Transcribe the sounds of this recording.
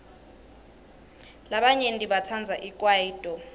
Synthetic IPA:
laɓaɲentʼiɓatʰand͡zʱaʔikʼwaiːtʼɔ

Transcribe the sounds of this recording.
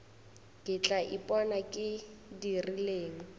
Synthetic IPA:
ɡ̥ɪt͡ɬʼaʔɪpʼɔnakʼɪdirileːŋ̩

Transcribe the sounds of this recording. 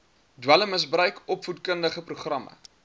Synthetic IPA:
dwæləməs̬brœɥkɔpfutkəndəχəpruχrɐmə̰

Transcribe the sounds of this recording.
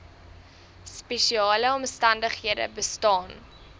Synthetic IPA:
speʃiɑːləɔmstɐndəχɦiədə̰bəstɑːn

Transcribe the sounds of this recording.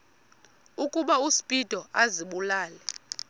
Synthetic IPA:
ukʼuɓauspʼid̥ʱɔaziɓulaːlɛ

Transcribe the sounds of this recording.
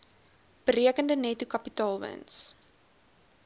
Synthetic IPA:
b̥əɾiəkəndənɛtukɐpitɑːlˠvə̰ns

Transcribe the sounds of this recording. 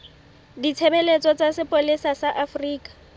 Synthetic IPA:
dit͡sʰebelet͡sʼɔt͡sʼasɪpʼolisasaʔafriːkʼḁ

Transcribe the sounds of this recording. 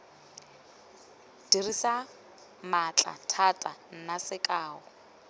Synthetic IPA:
d̥irisa | mat͡ɬʼa̰tʰatʼa̰n̩nasɪkʼaːʊ

